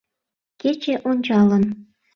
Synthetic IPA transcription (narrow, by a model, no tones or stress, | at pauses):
kʲet͡ɕeʔonʲt͡ɕɑlˠɤ̆n